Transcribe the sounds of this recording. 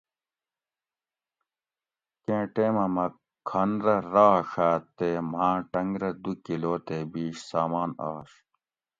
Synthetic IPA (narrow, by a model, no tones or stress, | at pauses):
kẽːʈeːmɐmɐ | kʰːɐnɾɐɾaːʂaːt̪eːm̤ãːʈɐŋɡɾɐd̪ukiloːt̪eːbiːɕsaːmaːna̰ːɕ